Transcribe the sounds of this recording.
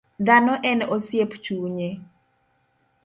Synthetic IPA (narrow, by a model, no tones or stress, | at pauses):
d̪anɔʔɛnosjept͡ʃuɲe